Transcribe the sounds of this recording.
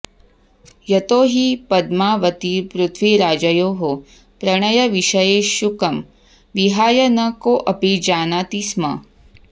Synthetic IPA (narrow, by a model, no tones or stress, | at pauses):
jɐt̪oːɦipɐd̪maːʋɐt̪ipɾut̪ʰʋiɾaːd͡ʒɐjoːɦo | pɾɐɳɐjɐʋiʃɐjeːʃukɐm | ʋiɦaːjɐnɐkoːʔɐpid͡ʒaːnaːt̪ismɐ̰